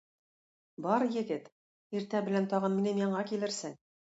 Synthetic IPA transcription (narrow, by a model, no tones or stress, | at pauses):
bɒɾjɘ̆ɡɘt̪ | iɾt̪æbɘ̆lænt̪ɒʁɤnminɘmjɑɴɑkilɘ̆ɾsɘŋ